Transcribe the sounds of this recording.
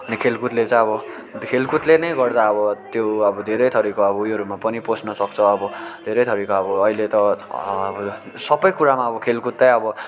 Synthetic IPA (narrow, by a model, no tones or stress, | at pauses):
ʌnikʰelkut̪let͡sãj̃ʌbʌ | kʰelkut̪lenʌjɡʌrd̪aʌbʌt̪joʌbʌd̪ʱeɾʌjt̪ʰʌɾikoʌbʌujoɾumapʌniposnʌsʌk̚t͡sʰʌʌbʌd̪ʱeɾʌjt̪ʰʌɾikaʌbʌːilet̪ʌbʌ | sʌbʌjkuɾamaʌbʌkʰelkut̪ːaj̃ʌbʌ